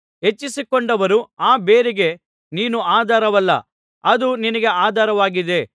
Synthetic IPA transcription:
ɦe̞t͡ʃːisikoɳɖɐʋɐɾuaːbe̞ːɾiɡe̞ | niːnuaːd̪ʱaːɾɐʋɐlːɐ̰ | ɐd̪uninɐɡe̞aːd̪ʱaːɾɐʋaːɡid̪e̞

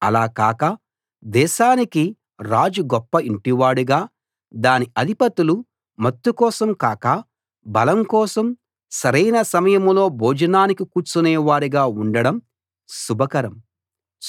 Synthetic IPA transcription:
ɐ̰laːkaːkɐ | d̪ɛːʃaːniki | ɾaːd͡ʒuɡɔpːɐiɳʈiʋaːɽuɡaː | d̪aːniʔɐd̪ʱipɐt̪ulu | mɐt̪ːukɔːsɐmkaːkɐ | bɐlɐmkɔːsɐm | sɐɾɐjnɐsɐmɐjɐmlo̞ːbʱoːd͡ʒɐnaːnikikuːɾt͡ʃunɛːʋaːɾiɡaːuɳɖɐɽɐm | subʱɐkɐɾɐm

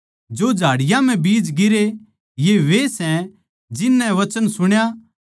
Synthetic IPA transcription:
d͡ʒod͡ʒʱaːɽɪjãm̤ɛ̃biːd͡ʒɡɪɾe | jeʋesɛ̃ | d͡ʒɪnːɛʋɐt͡ʃənsʊɽ̃ja

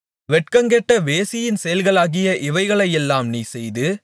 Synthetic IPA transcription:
ʋɛʈ̚kɐŋɡɛʈːɐʋeːsɪjɪnsɛjɐlɣɐɭaːɣɪjɐʔɪʋɐɪɣɐɭɐjɛlːaːmniːsɛjðɯ

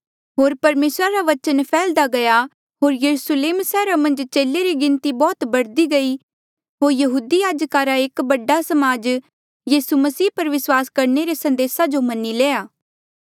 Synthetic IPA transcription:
ɦoːɾpɐɾmeːsɾaɾaʋɐt͡ʃənpʰɛːld̪aɡɐja | ɦoːɾjɐɾusleːmsɛːɾamɐ̃nd͡ʒt͡ʃeːlːeɾiɡɪ̃nt̪ibɔːt̪bɐɽd̪iɡɐi | ɦoːɾjɐɦuːd̪ijaːd͡ʒkaɾaeːkbɐɖasɐmaːd͡ʒ | jiːsumɐsiːpɐɾʋɪswaːskɐɾneɾesɐ̃nd̪eːsad͡ʒomɐnːileːjaː

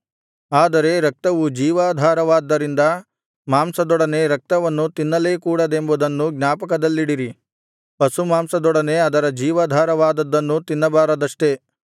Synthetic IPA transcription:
aːd̪ɐɾe̞ɾɐk̚t̪ɐʋud͡ʒiːʋaːd̪ʱaːɾɐʋaːd̪ːɐɾind̪ɐ | maːmsɐd̪ɔɽɐne̞ɾɐk̚t̪ɐʋɐnːut̪inːɐle̞ːkuːɽɐd̪embud̪ɐnːuɡnʲaːpɐkɐd̪ɐlːiɽiɾi | pɐsumaːmsɐd̪ɔɽɐne̞ɐd̪ɐɾɐd͡ʒiːʋaːd̪ʱaːɾɐʋaːd̪ɐd̪ːɐnːut̪inːɐbaːɾɐd̪ɐʂʈe̞

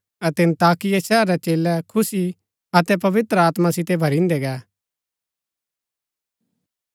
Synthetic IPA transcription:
ɐt̪ɛ̃nt̪aːkɪjesɛːɾɾɛt͡ʃeːlɛkʰʊsi | ɐt̪ɛpɐʋɪt̪ɾəaːt̪mãsɪt̪ebʱɐɾĩnd̪ɛɡɛː

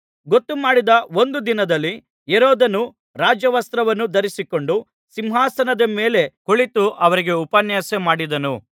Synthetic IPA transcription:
ɡot̪ːumaːɽid̪ɐo̞nd̪ud̪inɐd̪ɐlːi | eɾɔːd̪ɐnu | ɾaːd͡ʒjɐʋɐst̪ɾɐʋɐnːud̪ɐɾisiko̞ɳɖu | simɦaːsɐnɐd̪ɐmeːle̞koɭit̪uʔɐʋɐɾiɡe̞upɐnjɐsemaːɽid̪ɐnu

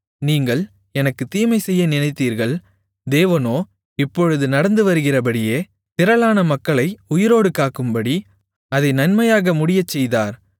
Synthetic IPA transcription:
niːŋɡɐɭ | ɛnɐkːɯt̪iːmɐɪsɛjːɐnɪnɐɪt̪ːiːɾɣɐɭ | d̪eːʋɐnoː | ɪpːɔɻɯðɯnɐɽɐnd̪ɯʋɐɾɯɣɪrɐpɐɽɪjeː | t̪ɪɾɐɭaːnɐmɐkːɐɭɐɪʊjɪɾoːɽɯkaːkɯmbɐɽi | ɐðɐɪnɐnmɐjaːɣɐmʊɽɪjɐt͡ʃːɛjðaːɾ

